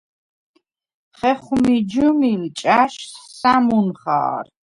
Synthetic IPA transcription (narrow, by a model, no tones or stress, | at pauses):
χɛχmid͡ʒumilt͡ʃʼaʃssamunχa̰ːr